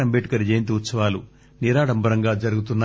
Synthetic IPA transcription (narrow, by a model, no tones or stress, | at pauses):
ɐmbeʈi̥kɐɾid͡ʒeːnt̪̬iut̪sɐʋaːlṵ | niɾaːɽɐmbɐɾɐŋɡaːd͡ʒɐɾuɡut̪unːa